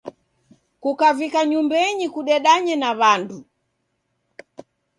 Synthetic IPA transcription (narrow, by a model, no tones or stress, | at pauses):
kukavikaɲumbɛɲikuɗɛɗaɲɛnaβandu